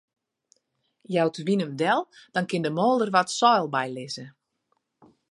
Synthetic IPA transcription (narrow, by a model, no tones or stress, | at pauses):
jawtʰəʋinəmdɛlˠd̥ɔnkɪndəmoːlˠdərʋɔtsɔjlˠbɛjlɪzə